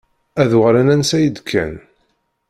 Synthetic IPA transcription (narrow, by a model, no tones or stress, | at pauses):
æðwʁɾænænsæjəd̪kʰːæ̰n